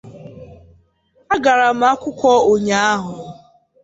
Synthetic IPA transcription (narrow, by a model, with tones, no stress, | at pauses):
a˦ɡa˨ɾa˨m̩˦a˦kʷʊ˦kʷɔ˦o˨ɲa˨˦a˦ɦʊ˨